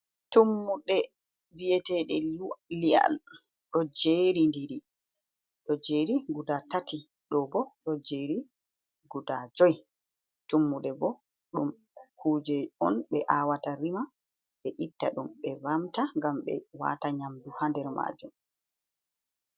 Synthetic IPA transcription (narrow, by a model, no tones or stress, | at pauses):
tumːuɗɛ | biɛtɛɗɛlia̰l | ɗɔd͡ʒeɾindiɾi | ɗɔd͡ʒeɾiɡudatati | ɗɔbɔɗɔd͡ʒeɾi | ɡudad͡ʒɔj | tumːuɗɛbɔ | ɗum | kʰuːd͡ʒɛɔnɓɛʔaːwataɾima | ɓɛʔitːaɗumɓɛvamtaŋɡamɓɛ̰wa̰ːtaɲamduhandɛɾma̰ːd͡ʒum